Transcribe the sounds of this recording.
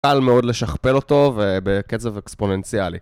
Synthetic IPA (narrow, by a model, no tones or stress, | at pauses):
almeo̞dle̞ʃaχpe̞lo̞to̞vebeket͡sevekspo̞nent͡sialḭ